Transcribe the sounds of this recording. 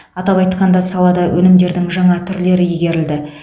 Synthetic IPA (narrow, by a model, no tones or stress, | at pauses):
ɑt̪ɑpɑjt̪qɑnd̪ɑsɑlˠɑd̪ɑwʔɵnɪmd̪e̞ɾd̪ɪŋʒɑɴɑt̪ʰʏɾle̞ɾɪjɪɡʲe̞ɾɪld̪ɪ